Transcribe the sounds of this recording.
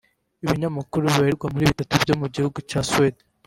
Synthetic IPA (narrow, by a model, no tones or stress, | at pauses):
iβiɲamakuɾuβaɾiɾɡwamuɾiːβitatubɟo̞muɟihuɡucaːswed